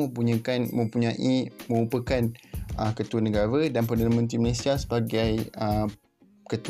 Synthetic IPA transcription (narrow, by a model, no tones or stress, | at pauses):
mə̃mpuɲə̃kanmə̃mpuɲãʔimə̃ɾupəkanʔəkət̪uanə̃ɡaɾadanpərdanãmə̃nt̪̬ɾiməlesiasə̥baɡajə | kət̪u